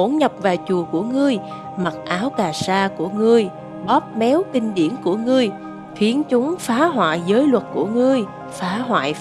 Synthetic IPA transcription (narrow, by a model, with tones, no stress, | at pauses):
o˧˩nɲə˨˩p̚vaː˨˩t͡ɕu˨˩əku˧˩əŋɨ˧əj | ma˨˩t̚ʔaː˨˦wkaː˨˩saː˧ku˧˩əŋɨ˧əj | ɓɔ˦˥p̚mɛ˨˦wkï˧ŋ̟ɗḭ˧˩ənku˧˩əŋɨ˧əj | xi˨˦ənt͡ɕʊ˨˦ŋ͡mfaː˨˦ɦwa̰ː˧˨jzəː˨˦jlwə˨˩t̚ku˧˩əŋɨ˧əj | faː˨˦ɦwa̰ː˧˨j